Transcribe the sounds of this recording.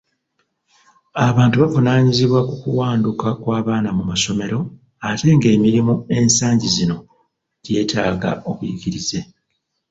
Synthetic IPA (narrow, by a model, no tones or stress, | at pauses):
aβaːntuβavunaːɲiziβwakukuwaːndukakwaːβaːnamumaso̞me̞ɾo̞ | ate̞ŋɡe̞ːmiɾimue̞nsaːɲɟizino̞ | ɟe̞ːtaːɡa̰o̞βujiɡiɾiz̥e̞